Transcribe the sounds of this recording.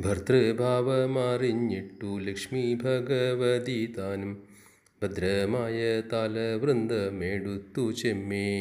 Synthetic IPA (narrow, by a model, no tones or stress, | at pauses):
bʱɐɾt̪ɾɐbʱaːʋɐmaːɾinjiʈːulɐkʂmibʱɐɡɐʋɐd̪it̪aːnɐm | bʱɐd̪ɾɐmaːjɐt̪aːlɐʋɾɐnd̪ɐmeːɽut̪ut͡ʃemːeː